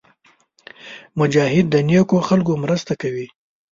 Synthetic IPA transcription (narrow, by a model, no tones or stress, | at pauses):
mʊd͡ʒɑɦɪd̪ːənjekoxalkomɾəst̪akawi